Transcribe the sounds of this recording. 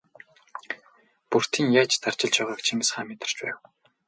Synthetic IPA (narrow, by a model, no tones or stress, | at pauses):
pur̥t̪ʰiːŋjaːt͡ɕt̪ar̥t͡ɕɪ̆ɮt͡ɕaʁaːkt͡ɕʰimsχaːmet̪ɪ̥̆r̥t͡ɕpæːw